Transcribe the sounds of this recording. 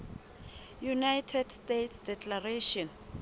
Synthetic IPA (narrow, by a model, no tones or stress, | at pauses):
junajtʰɛdstetʰsdɛkʰʼlareʃɔn